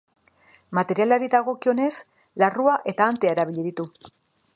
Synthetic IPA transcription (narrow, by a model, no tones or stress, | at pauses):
mat̪e̞ɾialaɾiðaɣ̞o̞kio̞ne̞s | laruaʔe̞t̪aːnt̪eaeɾaβiʎiðit̪u